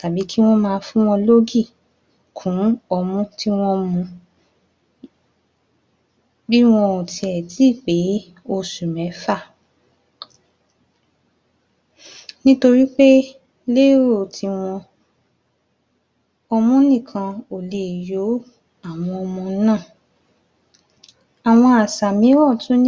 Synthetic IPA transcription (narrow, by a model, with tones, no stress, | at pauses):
ta˨bi˨˦kʰi˦w̃ɔ̃˦mãː˧fũ˦w̃ɔ̃˧lo˦ɡi˦˨ | kʰũ˨˦ɔ˧mũ˦ti˦w̃ɔ̃˦mũ˧ | bi˦w̃ɔ̃˧o˨ti˧ɛ˨ti˨˦˨k͡pe˨˦ | o˧su˨mɛ̃˨˦fa˦˨ | nĩ˦to˧ɾi˦k͡pe˦ | le˦ɾo˦˨tʰi˧w̃ɔ̃˧ | ɔ˧mũ˦nĩ˦˨kʰã˧o˨le˨jo˨˦ | a˨w̃ɔ̃˧ɔ˧mɔ̃˧˦nãː˦˨ | a˨w̃ɔ̃˧a˨sa˨mĩ˨˦ɔ̃˦˨tũ˨˦n˦